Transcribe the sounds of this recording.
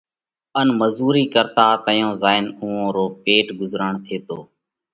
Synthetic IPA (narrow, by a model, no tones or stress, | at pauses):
ənməzuːɾiːkəɾt̪aːt̪əjõːzaːɪnʊũːõːɾoːpeːʈɡʊzɾəɳt̪ʰeːt̪oː